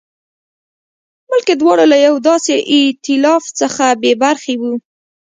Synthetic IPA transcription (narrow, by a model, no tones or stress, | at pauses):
mʊlked̪wɑɽalajawd̪ɑseʔɪt̪ɪlɑft͡səxabebaɾxewu